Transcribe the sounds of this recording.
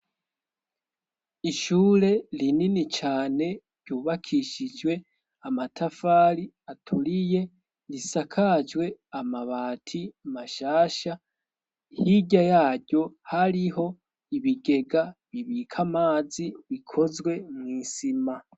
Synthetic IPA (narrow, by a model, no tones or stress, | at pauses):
iʃuːɾe̞lininit͡ʃaːne̞ɾɟuːβakʰiʃid͡ʒwe̞ | amatʰafaːɾi | atʰuɾije | lisakʰad͡ʒwe̞amaβaːtʰimaʃaːʃa | hiɟajaːɟo̞haɾiho̞ | iβiɡe̞ɡaβiβikʰamaːziβikʰo̞zwe̞mŋiːsima